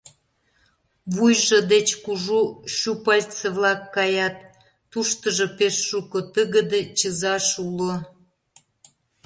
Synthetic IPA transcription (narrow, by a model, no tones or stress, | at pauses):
βujʒɤd̪et͡ɕkuʒuʃupɑlʲt͡səβlɑkːɑjɑt̪ː | uʃt̪əʒŏpeʃːukot̪əɣə̆d̪et͡ɕəzɑʃulo